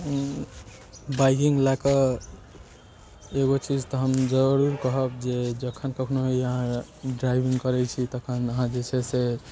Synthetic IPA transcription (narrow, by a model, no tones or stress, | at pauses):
bajkiŋɡlakə | eɡot͡ʃid͡ʒt̪ɔɦəmd͡ʒəɾuɾkəɦəbd͡ʒed͡ʒəkʰənkəkʰnoɦiəɦãɖɾajbiŋɡkəɾɛt͡ʃʰit̪əkʰənəɦãd͡ʒet͡ʃʰɛse